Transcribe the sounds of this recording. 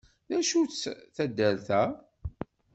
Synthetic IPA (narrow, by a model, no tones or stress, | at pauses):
ðæʃut͡sθæd̪ːəɾθæ